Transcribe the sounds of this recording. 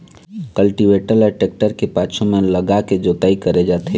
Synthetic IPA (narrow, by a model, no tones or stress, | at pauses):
kəlʈiʋeːʈələʈek̚ʈəɾkepaːt͡ʃʰõmẽləɡaked͡ʒoːt̪aːikəɾed͡ʒaːt̪e